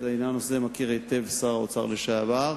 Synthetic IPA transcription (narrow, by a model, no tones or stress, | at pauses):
d̪ajnanosemakiʁejt̪evsaʁaot͡saʁleʃavaʁ